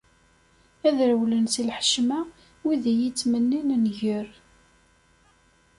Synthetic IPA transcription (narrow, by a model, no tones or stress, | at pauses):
æðɾəwlənsilħə̥ʃmæ | wiðijit͡sːmənːinnʝəɾ